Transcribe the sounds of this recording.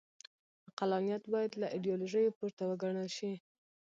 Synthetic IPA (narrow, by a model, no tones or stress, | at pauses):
qalɑnijat̪bɑjad̪laʔidijoloʒəjopuɾt̪awəɡaɳəlʃi